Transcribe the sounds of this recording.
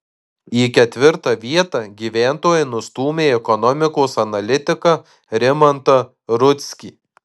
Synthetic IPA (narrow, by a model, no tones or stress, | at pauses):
iːkʲɛt̪ʲʋʲɪɾt̪ɐʋʲiɛt̪ɐɡʲiːʋʲæːnt̪oːjɛnʊst̪uːmʲeːɛkɔnɔmʲɪkoːsɐnɐlʲɪt̪ʲɪkɐ | ɾʲɪmɐnt̪ɐ | ɾʊt̪ʲsʲkʲiː